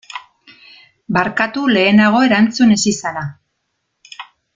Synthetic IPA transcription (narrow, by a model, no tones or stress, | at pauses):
baɾkat̪ule̞ːnaɣ̞o̞e̞ɾant͡sune̞sisala